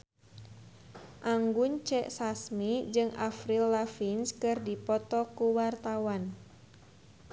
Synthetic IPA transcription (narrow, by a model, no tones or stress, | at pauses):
ʔaŋɡunt͡ʃɛʔsasmid͡ʒɨŋa̰fɾilːafinskɨrdipɔt̪ɔkuwart̪awan